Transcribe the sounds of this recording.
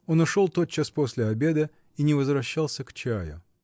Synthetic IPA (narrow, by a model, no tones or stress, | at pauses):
o̞nʊʂo̞lˠt̪o̞t̪̚t͡ɕːaspo̞sʲlʲɪɐbʲe̞d̪ə | inʲɪvəzvɾɐɕːalˠsʲəkt͡ɕæjʊ̰